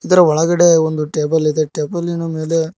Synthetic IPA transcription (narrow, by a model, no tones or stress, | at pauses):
id̪ɐɾɐʋɔɭɐɡɐɽe̞ond̪uʈeːbɐlid̪eʈeːbɐlinɐme̞ːle